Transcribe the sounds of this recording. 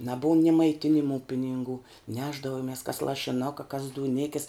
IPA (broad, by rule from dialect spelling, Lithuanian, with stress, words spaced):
nɐˈbʊʊm nʲɪ mɐɪˈtʲɪnʲɪmʊ pʲɪnʲɪŋˈɡuː ˈnʲæːʒdɐʋoːmʲɪs kɐs lˠɐʃʲɪˈnʊkɐ kɐs duːˈnʲɪkʲɪs